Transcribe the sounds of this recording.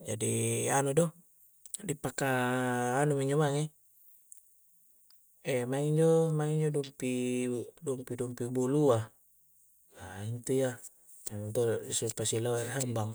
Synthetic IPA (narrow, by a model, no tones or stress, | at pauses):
d͡ʒadianudɔ | dipakaː | numiɲd͡ʒɔmaŋe | ɛmaŋiɲd͡ʒɔmaŋiɲd͡ʒɔdumpidɔmpidumpibulua | jaint̪uja | ant̪osupasilaarɦambaŋ